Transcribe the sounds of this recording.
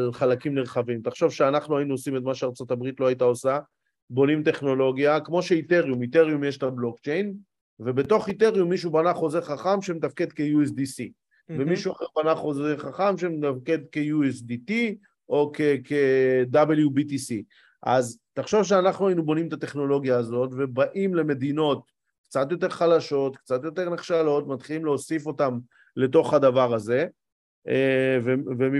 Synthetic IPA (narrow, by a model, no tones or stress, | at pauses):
alχalakimneʁχavimt̪aχʃo̞vʃeanaχnuainuosimet̪maʃeaʁt͡so̞t̪abʁit̪lo̞ajit̪ao̞sa | bo̞nimt̪e̞χno̞lo̞ɡjakmo̞ʃe̞it̪e̞ʁjumit̪e̞ʁjumjeʃtablo̞kt͡ʃejn | ve̞be̞t̪o̞χit̪e̞ʁjumːiʃ̬ubanaχo̞zeʁχaχamʃemet̪afke̞d̪kejues̬d̪isi | vemiʃuaχeʁbanaχo̞zeχaχamʃemet̪afke̞d̪ke̞jues̬d̪it̪i | ʔo̞kekʰed̪abeljubit̪isi | ʔazt̪aχʃo̞vʃ̬eanaχnuainubo̞nimt̪at̪e̞χno̞lo̞ɡjaːzo̞tve̞baʔimle̞me̞d̪ino̞t̪ | kt͡sat̪̬jo̞t̪̬e̞ʁχalaʃo̞t̪kt͡sat̪jo̞t̪e̞ʁneχʃalo̞t̪mat̪χilimleosifo̞tam | le̞to̞χad̪avaʁaze̞ | evevemi